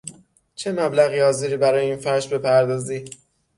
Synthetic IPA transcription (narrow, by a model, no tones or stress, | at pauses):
t͡ʃʰe̞mæblæɣiːɒːziɾiːbæɾɒːjeiːnfæɾʃbe̞pʰæɾd̪ɒːziː